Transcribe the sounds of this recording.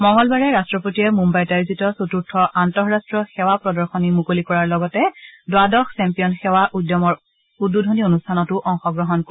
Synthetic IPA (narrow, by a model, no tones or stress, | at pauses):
mɔŋɡɔlbaɹɛɹastɹɔpotijɛmumbajtaɹizitɔsotuɹtʰɔʔantɔɦɹastɹɔxɛwapɹɔdɔɹxɔnimukolikɔɹaɹlɔɡɔtɛdwadɔxsɛmpijɔnxɛwaʔudjɔmɔɹ | udːudʱonionustʰanɔtʊʔɔŋxɔɡɹɔɦɔnk